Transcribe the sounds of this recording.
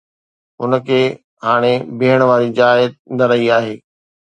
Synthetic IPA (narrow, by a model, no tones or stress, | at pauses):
ɦʊnəkʰeː | ɦaːɽ̃ebɪːəɽ̃ʋaːɾid͡ʑaːɪəd̪̚nɐɾɐiaːɦeː